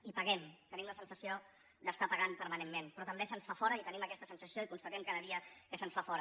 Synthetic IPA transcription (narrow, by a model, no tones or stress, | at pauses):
ipəɣɛmt̪ənimləsənsəsio | d̪əst̪apəɣampəɾmənemmːenpɾɔt̪əmbesənsfafɔɾəit̪əniməkɛst̪əsənsəsioikunst̪ət̪ɛmkaðəðiəkəsənsfafɔɾə